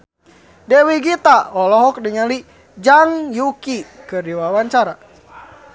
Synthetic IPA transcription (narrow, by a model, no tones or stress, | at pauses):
dɛwiɡit̪aɔlɔɦɔk̚diŋali | d͡ʒaŋjukikɨrdiwawaɲt͡ʃaɾa